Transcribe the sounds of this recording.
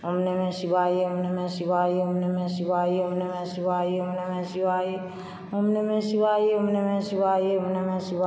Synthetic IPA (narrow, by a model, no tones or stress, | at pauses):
omnemesiβajeomnemesiβajeomnemesiβajeomnemesiβajeomnemesiβaje | omnemesiβajeomnemesiβajeomnemesiβa